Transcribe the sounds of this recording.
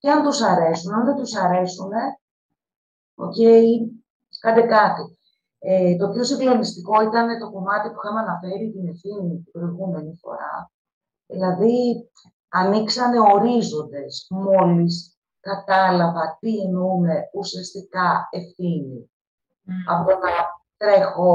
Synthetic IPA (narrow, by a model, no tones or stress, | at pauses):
ceɐnt̪usɐɾe̞sunɐnðet̪usɐɾe̞sune̞ | o̞̰ce̞i | kɐnd̪ekɐt̪i | et̪o̞pçosiŋɡlo̞nist̪iko̞it̪ɐne̞t̪o̞ko̞mɐt̪ipu̥xɐmɐnɐfe̞ɾit̪ine̞fθinit̪ipɾo̞iɣume̞nifo̞̰ɾɐ̰ | ðḭlɐði | ɐniksɐne̞o̞ɾizo̞nd̪e̞smo̞lis | kɐt̪ɐlɐvɐt̪ienume̞usiɐst̪ikɐe̞fθini | ɐ̰pot̪onɐt̪ɾe̞xo